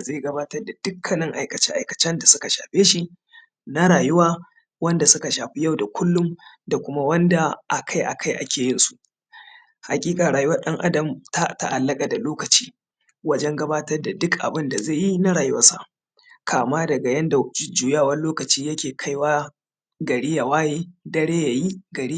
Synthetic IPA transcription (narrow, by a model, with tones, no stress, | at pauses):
zeː˦˨ɡɐ˦baː˦tɐ˦rda˨d̥ʊ˦kʰːɐ˨nɪ˦ŋʔa˨jkɐ˨t͡ʃɛ˦ʔa˨jkɐ̥˨t͡ʃɛ˦nda˨sʊ˦ka˨ʃa̰ː˨ɸeː˦ʃi˦ | na˦ɾaː˨jʊ˦waː˦ | wɐ˦nda˨sʊ˦ka˨ʃaː˨ɸi˦ja˦˨wda˨kʰʷʊ˦lːʊ˦m | da˨kʷʊ˦ma˦wɐ˦nda˨ʔa˨kʰa˦jʔa̰˨kʰa˦jʔa˦kʲeː˨jɪ˦nsu̥˨ʔ | ha˨kʲʼiː˦kʼa˨ɽaː˨jʊ˦wɐ˦rɗɐ˦ŋʔa˦dɐ˨mta˦ta˦ʔa˨lːɐ˦kʼa˨da˨loː˦kɐ˨t͡ʃi̥ː˦ | wɐ˦d͡ʒɛ˦ŋɡɐ˦baː˦tɐ˦rda˨dʊ˦kʔa̰˨bɪ˦nda˨ze˦˨ji˦na˦ɽaː˨jʊ˦wɐ˦sa˦ | kʰaː˨maː˦dɐ˨ɡa˨jɐ˦nda˨d͡ʒɪ˦d͡ʒuː˨jaː˦˨wɐ˦loː˦kɐ˨t͡ʃiː˦jɐ˦kʲeː˨kʰa˦jwaː˦ | ɡɐ˨ɽiː˦ja˨waː˦jeː˦dɐ˦ɽeː˦ja˨ji˦ɡɐ˨ɽi˦˨